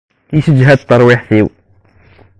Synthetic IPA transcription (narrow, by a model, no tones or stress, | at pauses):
isəd͡ʒɦæd̪t̪ˤːɑɾˤwiħθiw